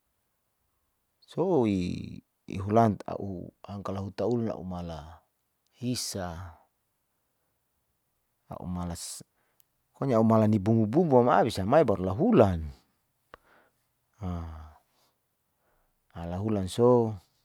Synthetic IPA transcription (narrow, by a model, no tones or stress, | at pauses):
soḭ | ɦulant̪a̰ʔṵaŋkalaɦut̪auluna̰ʔṵmala | hisa | a̰ʔṵmalas | koɲaumalanibuŋububuamaabisamaibaɾulaɦulan | a | alaɦulanso